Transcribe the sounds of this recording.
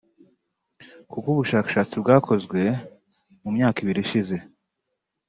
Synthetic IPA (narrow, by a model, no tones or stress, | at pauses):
kukuβuʃaːkḁʃaːt͡sibɡaːkʰo̞zɡwe̞ | mumɲaːkiβiɾiʃize̞